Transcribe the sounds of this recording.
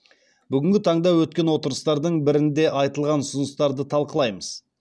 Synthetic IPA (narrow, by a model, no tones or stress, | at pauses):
bʏɡʲɪŋɡʲɪt̪ʰɑɴd̪ɑwɵt̪̚kʲe̞nwo̞t̪əɾəst̪ɑɾd̪əɴbɪɾɪnd̪e̞ʔɑjt̪əlˠʁɑnsʊnəst̪ɑɾd̪ət̪ʰɑlˠqəlˠɑjməz̥